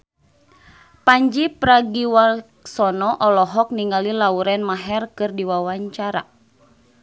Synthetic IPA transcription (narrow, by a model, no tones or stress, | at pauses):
paɲd͡ʒipɾaɡiwa | sɔnɔʔɔlɔɦɔk̚niŋalilauɾɛnmaɦɛrkɨrdiwawaɲt͡ʃaɾa̰